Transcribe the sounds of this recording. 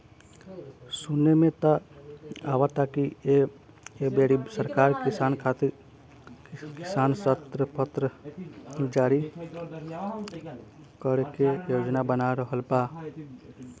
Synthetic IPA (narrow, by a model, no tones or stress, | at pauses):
sunemẽt̪a | a̰ːwat̪akie | ebeɽisəɾkaːɾkisaːnkʰat̪iɾ | kɪsaːnsət̪ɾəpət̪ɾə | d͡ʒaːɾi | kəɾekejoːd͡ʒnabənaɾəɦəlba